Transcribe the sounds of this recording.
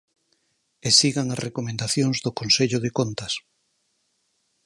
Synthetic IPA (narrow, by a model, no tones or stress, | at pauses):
esiɣaŋasrʔekomẽnd̪aθjoŋzðokonseʎoð̞ekont̪as